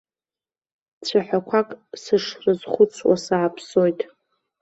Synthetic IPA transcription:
t͡sʷʰaħʷᶣakʷʰakʼsɨʂrɨzχʷʊt͡sʰwa̰saːpʰso̞jtʼ

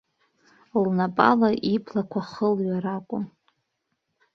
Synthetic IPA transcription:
lnapʼa̰laʔipʰlakʷʰaχəlɥaɾakʷʼʊm

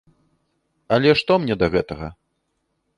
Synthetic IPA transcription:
ɐlʲɛʂt̪ɔmnʲɛd̪ɐɣɛt̪ɐɣɐ̰

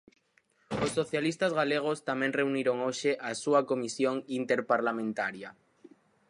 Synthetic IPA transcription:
osːoθjalist̪azɣaleɣ̞o̞st̪amẽnre̞uniɾo̞ŋoʃeʔasuako̞misjoŋint̪e̞ɾpaɾlamẽnt̪aɾja

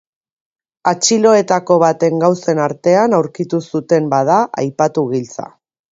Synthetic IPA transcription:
at͡ʃilo̞e̞t̪ako̞β̞at̪e̞ŋɡawse̞naɾt̪e̞anawɾkit̪usut̪e̞mbað̞aʔa̰jpat̪uɣilt͡sa̰

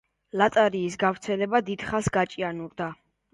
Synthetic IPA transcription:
lat̪ʼaɾiːsɡavɾt̪sʰɛlɛbad̪id̪̥χasɡat͡ʃʼianuɾd̪a

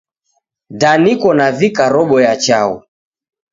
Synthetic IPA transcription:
danikɔnavikaɾɔɓɔjat͡ʃaṵ

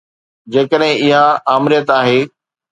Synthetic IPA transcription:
d͡ʑeːkəɗɦɪ̃ɪɦaaːmɾijət̪aːɦeː

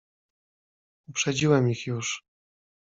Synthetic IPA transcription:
upʂɛd͡ʑiwɛmixjuʂ

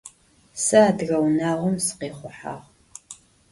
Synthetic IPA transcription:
sɨaːdɣɐwnaːʁʷʊmsɨ̥qeːχʷʊħa̰ːʁ

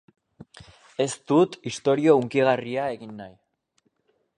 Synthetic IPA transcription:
e̞st̪ut̪ist̪o̞ɾio̞uŋkiɣ̞ariae̞ɣinːaj

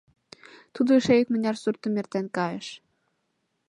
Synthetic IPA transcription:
t̪ud̪ɤʃejɘ̆kmɘ̆nʲɑrsurt̪ːɤ̆mʲert̪ænʲkɑjɤ̆ʃ

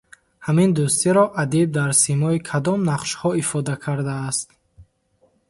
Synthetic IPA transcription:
hamind̪ust̪iɾɔʔad̪ib̚d̪aɾsimɔikʰad̪ɔmnaqʃhɔifɔd̪akʰaɾd̪aːst̪

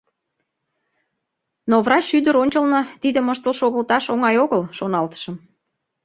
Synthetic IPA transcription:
novrɑt͡ɕʃyd̪ə̆ɾonʲt͡ɕəlnɤt̪id̪ə̆məʃt̪əlʃoɣəlt̪ɑʃoŋɑjoɣəlʃonɑlt̪ə̥ʃə̆m

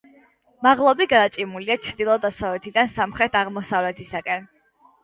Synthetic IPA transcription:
maʁlˠɔbiɡaːt͡ʃʼimuliat͡ʃʰɾd̪ilˠɔd̪asavlɛt̪ʰid̪ansamχɾɛt̪ʰaʁmɔsavlɛt̪ʰisakʼɛn

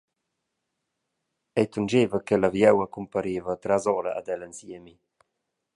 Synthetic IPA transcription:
ɛjt̪und͡ʒeːvəkɛlavjɛwakumpaɾeːvət̪ɾazɔɾa̰a̰d̪ɛlənsiəmi

